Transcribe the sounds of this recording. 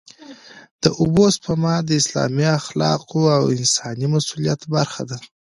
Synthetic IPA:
d̪̥əʔubospamɑd̪əɪslɑ̰miaxlɑ̰qoawɪnsɑnimasulijat̪baɾxad̪a

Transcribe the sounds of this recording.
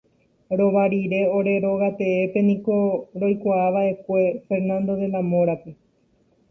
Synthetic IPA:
ɾo̞ʋaɾiɾe̞o̞ɾe̞ɾo̞ɣat̪e̞epe̞nĩko̞ɾo̞jkʷaaʋaʔe̞kʷe̞fe̞ɾnãnd̪o̞ðe̞lamõ̞ɾape̞

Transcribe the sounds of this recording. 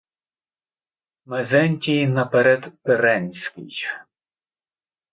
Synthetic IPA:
mɛzɛnʲtʲijnɐpɛɾɛd̪peɾɛnʲsʲkʲɪ̰j

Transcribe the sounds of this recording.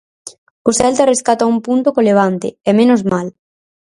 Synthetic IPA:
ʊsɛlt̪areskat̪ɐumpunt̪ʊkoleβ̞ant̪ɪ̰ɛmẽnʊzmal

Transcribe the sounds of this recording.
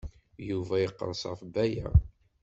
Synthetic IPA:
juvæjəqːə̰ɾsˤʁfbæjæ

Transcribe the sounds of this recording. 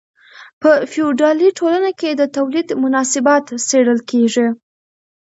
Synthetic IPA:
pəfiuɖɑliʈʰolanaked̪ət̪awlid̪mʊnɑsɪbɑt̪seɽəlkeʐi

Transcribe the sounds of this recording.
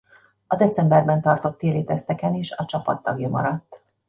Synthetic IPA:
ɒd̪ɛt̪t͡sɛmbɛrbɛnt̪ɒrt̪o̞t̪ːeːliːt̪ɛst̪ɛkɛneːʃɒt͡ʃɒpɒ̰t̪ːɒɡjɒmɒ̰ɾɒt̪ː

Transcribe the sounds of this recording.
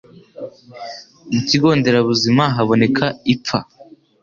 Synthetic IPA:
muciɡo̞ːnde̞ɾaβuzimaɦaβo̞ne̞kʰaip̪p͡fa

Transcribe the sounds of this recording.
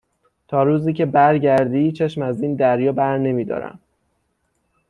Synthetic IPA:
t̪ʰɒːɾuːziːcʰe̞bæɾɟæɾd̪iːt͡ʃʰe̞ʃmæziːnd̪æɾjɒːbæɾne̞miːd̪ɒ̰ːɾæ̰m

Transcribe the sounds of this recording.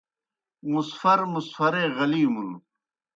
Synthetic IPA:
musfɐɾmusfɐɾeːɣɐliːmun

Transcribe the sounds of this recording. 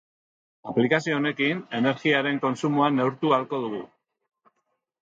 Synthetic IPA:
aplikasio̞ːne̞kine̞ne̞ɾɣiaɾe̞ŋko̞nsumuane̞wɾt̪ualko̞ðuɣ̞u

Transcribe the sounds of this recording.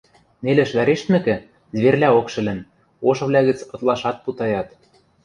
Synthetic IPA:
nelɘ̆ʃβæɾeʃt̪mɘ̆kɘ̆ | zβerlʲæokʃɘ̆lɘ̆n | oʃɤ̆βlʲɑɣɘ̆t͡sɤ̆t̪lˠɑʃɑt̪̚put̪ɑjɑt̪

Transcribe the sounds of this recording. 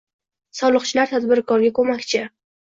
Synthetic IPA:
sɒlˠɨqt͡ʃʰɪlaɾt̪ʰad̪bɪɾkʰɒɾɡʲakʰɵmakʲt͡ʃʰɪ

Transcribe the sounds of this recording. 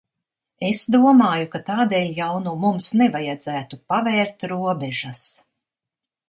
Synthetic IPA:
esd̪uɔmaːjukat̪aːd̪eːlʲjawnuːmumsnɛvajad̪zæːt̪upavɛːɾt̪ɾuɔbɛʒas

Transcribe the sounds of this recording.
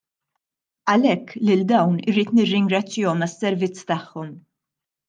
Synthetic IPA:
ɐlɛkːlɪld̪ɐwnɪɾiːt̪nɪrːɪŋɡɾɐt͡sːjɔmɐsːɛɾvɪt͡sːt̪ɐħːɔm

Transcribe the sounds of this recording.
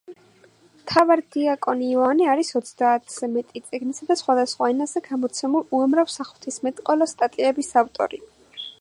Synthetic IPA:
mt̪ʰavaɾd̪̥iakʼɔniːaniaɾisɔt̪sʰd̪aːt̪ʰz̥ɛmɛt̪ʼit̪sʼiɡnisad̪asχwad̪asχwaɛnazɛɡamɔt̪sʰɛmuluamɾavsaχlˠt̪ʰismɛt̪ʼqʼɔlɔst̪ʼat̪ʼiɛbisaft̪ʼɔ̰ɾi

